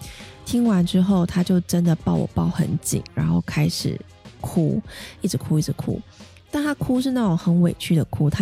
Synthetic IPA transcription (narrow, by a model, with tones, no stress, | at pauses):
t̪ʰi˥ŋwa˧˦nʈ͡ʂɻ̩˥xo˥˩ʊt̪ʰa˥t͡ɕjo˥˩ʊʈ͡ʂə˦nd̪ə˨pɑ˥˩ʊwɔ̰˨˩pɑ˥˩ʊxə̰˧˥nt͡ɕḭ˨˦ŋɻa̰˧˥nxo˥˩ʊkʰa˥ɪʂɻ̩̰˨˩ | kʰṵ˦˥i˥˩ʈ͡ʂɻ̩˧˥kʰu˦i˥˩ʈ͡ʂ̩˧˥kʰṵ˦˥ | t̪a˥˩nt̪ʰa˥kʰu˥ʂ̬ɻ̩˥˧na˥˩ʈ͡ʂo˨˩ŋxə˧˥nwe˨˩ɪt͡ɕʰy˥˩d̪ə˨˩kʰu˦˥t̪ʰa˥